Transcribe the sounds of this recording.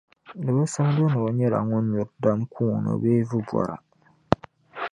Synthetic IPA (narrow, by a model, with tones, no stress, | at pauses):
nɨ˨bɨ˦sɨ˦m˦do˦nɨ˨o˨ɲɛ˦la̰˨ŋɔ˦nɲu˨ɾda˦mkʰuː˦˨nɨ̰˨beː˦vɨ˦bʷɔ̰˨ɾa̰˨